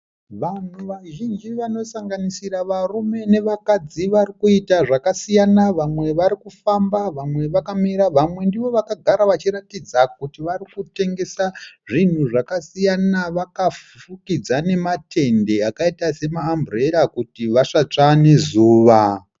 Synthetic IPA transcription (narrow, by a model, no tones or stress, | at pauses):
ʋan̤uʋaʒind͡ʒiʋano̞saŋɡanisiɾaʋarume̞ne̞ʋakad͡ziʋarikuitaʐakasijanaʋamwe̞ʋaɾikufambaʋamwe̞ʋakamiɾaʋamwe̞ndiʋo̞ʋakaɡʱaɾaʋat͡ʃiɾatid͡zak̚utiʋarikute̞ŋɡe̞saʐin̤uʐakasijanaʋakaf | fukid͡zane̞matʰe̞nde̞akaitase̞maːmbre̞ɾakutiʋaʂat͡ʂane̞zuːʋa